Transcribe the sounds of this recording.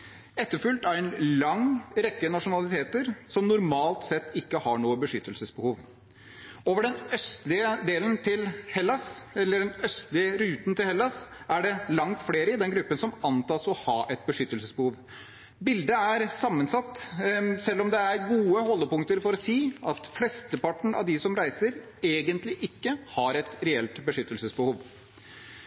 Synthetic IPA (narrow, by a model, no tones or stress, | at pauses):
ɛt̪ːəɾfʉlt̪æɾɛnlɑŋɾɛkːənɑʂʊnɑlɪt̪ʰeːt̪əɾsɔmnʊɾmɑːlt̪sɛt̪ːɪkːəhɑɳuːəbəʂʏt̪ːəlsəsbəhuːʋ | oːʋəɖɛnœst̪lɪəd̪eːlənt̪ʰɪlhɛlːɑsɛlːəɖɛnœst̪lɪəɾʉːt̪n̩t̪ɪlhɛlːɑs | ʔæɖɛlɑŋt̪fleːɾəɪd̪ɛnɡɾʉpːənsɔmɑnt̪ɑːsɔhɑːʔɛt̪̚bəʂʏt̪ːəlsəsbəhuːʋ | bɪld̪əæɾsɑmːənsɑt̪ːsɛlːɔmd̪ɛæɾɡuːəhɔlːəpʊŋt̪əɾfɔɾɔsiːɑt̪flɛst̪əpɑʈɳ̩ʔɑ̰ʋd̪ɪsɔmɾæɪsəɾ | eːɡənt̪lɪʔɪkːəhɑɾɛt̪ɾɛɛlt̪bəʂʏt̪ːəlsəsbəhuːʋ